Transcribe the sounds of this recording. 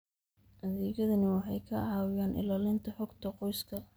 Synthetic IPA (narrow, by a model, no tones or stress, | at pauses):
ʔɐðiːɣɐðɐnɪwɑħɑjkʰɐʕɑːwɪjaːnʔɪ̰laːlɪnt̪ʰɐħɔɡt̪ʰɐqɔjskʰɐ